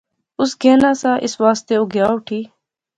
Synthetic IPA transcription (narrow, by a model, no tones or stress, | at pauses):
ʊsɡʱeːnãːsãːʔɪsʋaːst̪eːoɡjaːʈʰiː